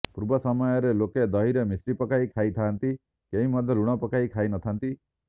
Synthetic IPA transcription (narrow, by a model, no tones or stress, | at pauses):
puɾbɔsɔmɔjɔɾeloked̪ɔɦiɾɔmisɾipɔkaikʰait̪ʰaːnt̪i | keɦimɔd̪ʱɔluɽ̃ɔpɔkaikʰainɔt̪ʰant̪i